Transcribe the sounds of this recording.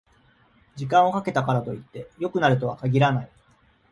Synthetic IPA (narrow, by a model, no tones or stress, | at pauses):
d͡ʑikãɰ̃o̞kake̞t̪akaɾat̪o̞it̪ːe̞jo̞kɯ̟naɾɯ̟t̪o̞βakaɡʲiɾanai